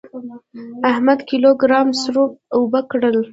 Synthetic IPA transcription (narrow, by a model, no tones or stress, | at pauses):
ahmad̪kiloɡɾɑmsɾop̚ʊbəkɽəl